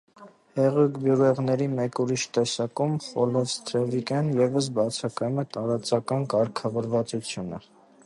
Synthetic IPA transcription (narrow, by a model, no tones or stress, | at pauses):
hɛʁukbjuɾɛʁnɛɾimɛkuɾiʃt̪ɛsɑkumχɔlɔvst̪ʰɾɛvikɛnjɛvəs̬bɑt͡sʰɑkɑjumɛt̪ɑɾɑt͡sɑkɑnkɑɾkʰɑvɔɾvɑt͡sut͡sʰjunə̰